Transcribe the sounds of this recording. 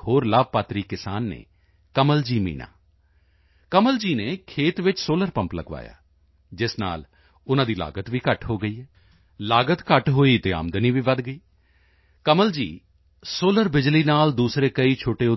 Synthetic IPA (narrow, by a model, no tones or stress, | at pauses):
ɦoːɾlaːb̚paːt̪ɾiːkɪsaːnːḛː | kəməld͡ʒiːmḭːna̰ː | kəməld͡ʒiːneːkʰeːt̪ʋɪt͡ʃsoːləɾpə̃mpləɡʋa̰ːja̰ː | d͡ʒɪsna̰ːl | ʊnãːd̪iːla̰ːɡət̪ʋiːkəʈɦoːɡəiːɛː | laːɡət̪kəʈɦoːiːt̪eːa̰ːmd̪niːʋiːʋəd̪ɡəiː | kəməld͡ʒḭː | soːləɾbɪd͡ʒliːnaːld̪uːsɾeːkəiːt͡ʃʰoːʈeːʊ